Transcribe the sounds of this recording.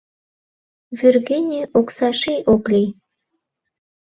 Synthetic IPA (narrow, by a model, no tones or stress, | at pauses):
vʲyrɣenʲiʔoksɑʃijʔoklʲij